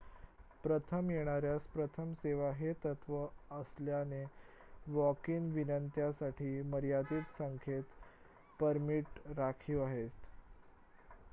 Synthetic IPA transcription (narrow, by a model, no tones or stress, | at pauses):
pɾət̪ʰəmjeɽ̃aɾjaspɾət̪ʰəmseʋaɦet̪ət̪ʋəəsljane | ʋɔkiːnʋinənt̪jasaʈʰiːməɾjad̪iːt̪səŋkʰet̪ | pəɾmiʈɾakʰiaɦet̪